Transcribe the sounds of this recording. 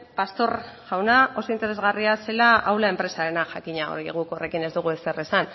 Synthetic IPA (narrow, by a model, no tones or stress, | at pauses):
past̪o̞r | ʝawnao̞so̞int̪e̞ɾe̞zɣariase̞laʔawlae̞mpɾe̞saɾenaʝakiɲao̰ɾiɣ̞ukore̞kine̞zd̪uɣ̞ue̞sere̞san